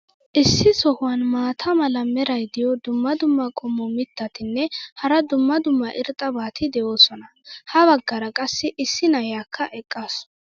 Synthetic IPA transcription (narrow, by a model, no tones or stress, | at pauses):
ʔɪsːɪsɔhʊwɐnmaːt̪ʰɐmɐlɐmɛɾɐjd̪ɪjɔd̪ʊmːɐd̪ʊmːɐkʼɔmːɔmɪt̪ːɐt̪ɪnːɛhɐɾɐd̪ʊmːɐd̪ʊmːɐʔɪɾt̪ʼɐbaːt̪ɪd̪ɛjoːsɔnɐ | hɐβɐɡːɐɾɐkʼɐsːɪʔɪsːɪnɐjaːkʰːɐʔɛkʼːaːs